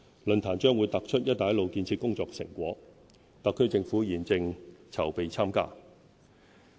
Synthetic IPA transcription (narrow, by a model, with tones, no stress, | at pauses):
lɵ˨nt̪ʰaː˨˩nt͡ʃœː˥ŋwuː˨˧jt̪ɐ˨k̚t͡ʃʰɵ˥t̚jɐ˥t̪ːaː˨˥jlo˨˧wkiː˧nt͡sʰiː˧t̚kʊ˥ŋt͡sɔː˧ksɪ̰˨˩ŋkʷɔː˨˥ | t̪ɐ˨kʰːɵ˥ɥt͡sɪ˧ŋfuː˨˥jiː˨˩nt͡sɪ˧ŋt͡sʰɐ˨˩wpe˨jt͡sʰaː˥mka̰ː˥